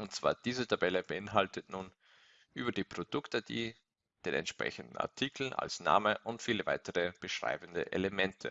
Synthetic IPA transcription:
ʔʊnt̚t͡sv̥a̰ːɐd̥iːzətʰabɛləbəɪnɦaltətnuːn | ʔyːbɐdiːpʁ̥od̥ʊktəd̥iː | d̥eːnɛ̰ntʃpʁ̥ɛ̰çən̩dn̩a̰ɐtʰikʰl̩ʔa̰lsna̰ːməʔʊntfiːləvaɪtəʁəb̥əʃʁ̥a̰ɪbn̩də̰ʔḛləmɛntʰə

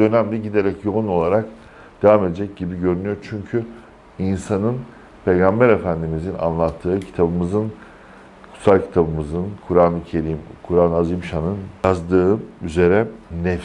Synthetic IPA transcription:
ø̞næmd̪ɛɟid̪e̞ɾɛcjo̞ɣuno̞lˠaɾak | d̪̥avame̞d̪ed͡ʒɛc̚ɟibiɟø̞ɾynyjo̞ɾt͡ʃʰyɲcʰy | insanɯn | pʰe̞jɡambæɾe̞fænd̪imizina̰nlˠat̪ʰːɯːcʰi̥t̪ʰabɯmɯzɯn | kʰu̥salˠcʰi̥t̪ʰabɯmɯzɯnkʰuɾaːnˠɯcʰe̞ɾimkʰuɾaːnazimʃanɯnjazd̪ɯːyze̞ɾɛnɛf

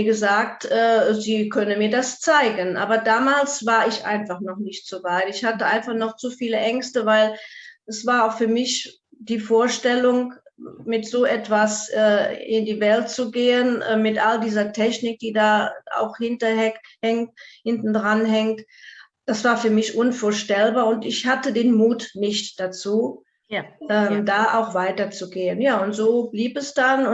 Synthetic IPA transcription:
ɡəzaːktʔɛːziːkʰœnəmiːɐdast͡saɪɡənʔa̰ːbɐdaːmaːlsv̥aːɐɪçʔa̰ɪnfaχnɔχnɪçtz̥oːvaɪtɪçhatəʔa̰ɪnfaχnɔχt͡sufiːləʔɛŋstəvaɪlɛsv̥aːɐaʊxfyːɐmɪç | d̥iːfoːɐʃtɛlʊŋ | mɪtz̥oːʔɛtv̥asʔɛːɪndiːvɛltt͡suɡeːənɛmɪtʔaldiːzɐtʰɛçnɪk̚d̥iːdaːʔa̰ʊxhɪntɐhɛhɛŋthɪntn̩dʁanɦɛŋt | d̥asv̥aːɐfyːɐmɪçʔʊnfoːɐʃtɛlbaːɐʊntɪçhatədeːnmuːtnɪçtd̥at͡suː | ʔɛːmdaːʔaʊxv̥aɪtɐt͡suɡeːənjaːʊntz̥oːbliːpɛsd̥anʊ

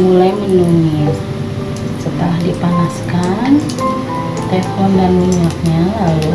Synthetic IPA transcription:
mulajminunia | sət̪əlahdipanaskan | t̪ɛfɔndanmiɲak̚ɲalalu

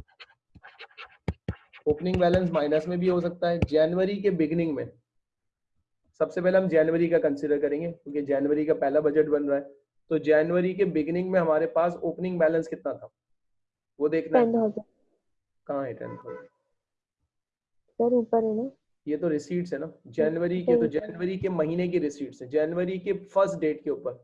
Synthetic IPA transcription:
oːpnɪ̃ŋɡbɛːlə̃ns̬maːɪnəsmẽbʱiɦos̬ɐk̚t̪aɦɛːd͡ʒɛːnʋəɾikebɪɡɪnɪ̃ŋɡmẽ | sɐbsep̬ɛːɦleɦɐ̃md͡ʒɛːnʋəɾikakɐ̃nsɪɖəɾkɐɾẽːŋɡekjũːked͡ʒɛːnʋəɾikapɛɦlabɐd͡ʒəʈbɐ̃nɾaɦɛː | t̪od͡ʒɛːnʋəɾik̬ebɪɡɪnɪ̃ŋɡmẽɦɐmaːɾepaːsoːpnɪ̃ŋɡbɛːlə̃nskɪt̪nat̪ʰa | ʋod̪eːkʰnaɛ̃nɖɦoːz | kɐɦãɦɛʈɛ̰̃nɖɦo̰ː | səɾuːpəɾɦɛna | jet̪oɾɪsiːʈsɦɛnad͡ʒɛːnʋəɾiket̪od͡ʒɛːnʋəɾikemɐɦiːnek̬eɾɪsiːʈsɦɛ̃d͡ʒɛːnʋəɾikefʰɐɾsʈɖeːʈkeuːpəɾ

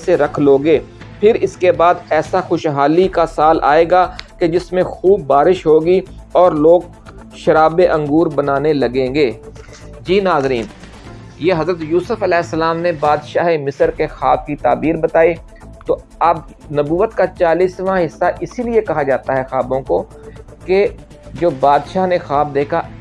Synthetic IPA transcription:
seɾɐkʰloːɡeː | pʰɪɾɪskebaːd̪ɛːsaxʊʃɦaːlikasaːlʔa̰ːeːɡaːked͡ʒɪsmẽxuːbːaːɾɪʃɦoːɡiɔːɾloːɡ | ʃɐɾaːbeʔɐ̃ŋɡuːɾbɐnaːnelɐɡẽːŋɡeː | d͡ʒiːnaːzɾiːn | jeːɦɐzɾət̪juːsəfɐlɛːɦɪsːɐlaːmnebaːd̪ʃaːɦemɪsəɾkexaːb̚kit̪a̰ːbiːɾbɐt̪aːi | t̪o | ɐb | nɐbuːət̪kat͡ʃaːliːsʋãɦɪsːaʔɪsiliekɐɦad͡ʒaːt̪aɦɛxaːbõko | ke | d͡ʒoːbaːd̪ʃaːɦnexaːb̚d̪eːkʰa

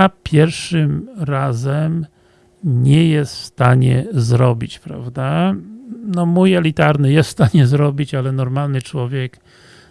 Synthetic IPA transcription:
apʲʰjɛɾfʂɘmɾazɛm | ɲɛjɛst̪fst̪aɲɛ̰zɾɔbʲḭt͡ɕpɾa̰vd̪a | nɔmujɛlʲit̪aɾnɘjɛst̪st̪aɲɛzɾɔbʲit͡ɕalɛnɔɾmalnɘt͡ʂwɔvʲjɛk

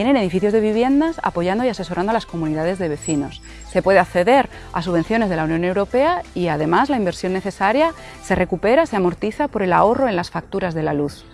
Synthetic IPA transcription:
jenene̞ð̞ifiθjo̞zðe̞β̞iβ̞je̞nd̪asa̰po̞ʝand̪o̞iase̞so̞ɾand̪oalasko̞muniðaðe̞zðe̞β̞e̞θino̞s | se̞pwe̞ðeakθe̞ðe̞ɾ | a̰suβe̞nθjo̞ne̞zð̞e̞launjo̞newɾo̞pe̞aiað̞e̞mazlaimbe̞ɾsjo̞nːeθe̞saɾja | se̞re̞kupe̞ɾase̞amo̞ɾt̪iθapo̞ɾe̞lao̞ro̞e̞nlasfak̚t̪uɾazðe̞laluθ

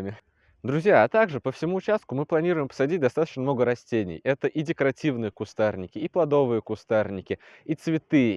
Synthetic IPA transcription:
mʲɪ | d̪ɾʊzʲjaːt̪aɡʐɨpəfsʲɪmuːt͡ɕast̪̚kʊmɨplˠɐnʲiɾʊjɪmpə̥sɐdʲit̚ʲd̪ɐst̪at̪ət͡ɕnəmno̞ɡəɾɐsʲtʲenʲɪ̰jɛt̪əʔidʲɪkəɾɐtʲivnɨjəkʊst̪arnʲɪkʲɪiplˠɐd̪o̞vɨjəkʊst̪arnʲɪkʲɪ | it̪svʲɪt̪ɨ

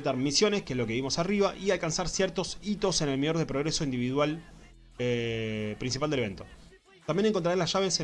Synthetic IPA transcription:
t̪aɾmisjo̞neskelo̞ke̞βimo̞sariβaʔialkansaɾsjɛɾt̪o̞sit̪o̞senelmioɾðepɾoɣɾeso̞ind̪iβiðwal | epɾins̬ipald̪eee̞nt̪o̞ | t̪ambje̞ne̞ŋk̬ont̪ɾaelasʒaβese

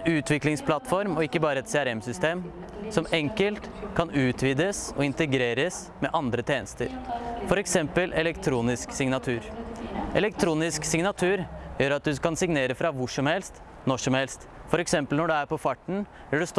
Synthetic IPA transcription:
nʉːt̪ʰʋɪklɪŋspʰlɑt̪fɔɾmɔɪkːəbɑːɾəɛt̪seæɾɛmsʏst̪eːm | sɔmɛŋkəlt̪kʰɑnʉːt̪ʰʋiːd̪əsɔɪnt̪əɛɡɾeːɾəs | mɛʔɑnd̪ɾət̪ʰeːnəst̪ə̰ɾfɔɾɛksɛmpəlʔɛlɛkt̪ʰɾuːnɪsksɪŋnɑt̪ʰʉːɾʔɛ̰lɛkt̪ʰɾuːnɪsksɪŋnɑt̪ʰʉːɾjøːɾɑt̪̚d̪ʉkɑnsɪŋneːɾəfɾɑʋʊʂɔmhɛlst̪ | nɔʂɔmhɛlst̪fɔɾɛksɛmpəlnɔɖɛæɾpɔfɑʈːɳ̩ | bɪɖʉs

